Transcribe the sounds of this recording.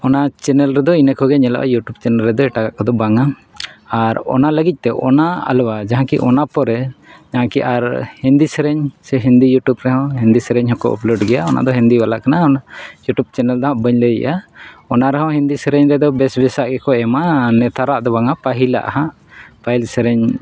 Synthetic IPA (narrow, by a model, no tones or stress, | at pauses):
ɔnat͡ʃɛnɛlɾɛd̪ɔinəkɔɡɛɲɛla̰ʔa̰juʈub̚t͡ʃɛnɛlɾɛd̪ɔɛʈakaʔkɔd̪ɔbaŋaː | ɾɔ̰naləɡic̚t̪ɛʔɔ̰naa̰lwad͡ʒaɦãkḭʔɔnapɔɾɛd͡ʒaɦãkiʔaɾhind̪isɛɾɛɲsɛɦind̪ijuʈjubɾɛɦɔ̃ɦind̪isɛɾɛɲɦɔ̃kɔ̰ʔɔ̰plɔɖɡɛjaɔnʔa̰ʔd̪ɔɦind̪ibalaʔkanaɔnajuʈjub̚t͡ʃɛnɛld̪ɔɦãʔbəɲləɛ̰ʔaɔnaɾɛɦɔ̃ɦind̪isɛɾɛɲɾɛd̪ɔbɛsbɛsaʔɡɛkɔɛmanɛt̪ʰaɾaʔd̪ɔbaŋapaɦila̰ʔa̰ɦãʔ | pajlsɛɾɛɲ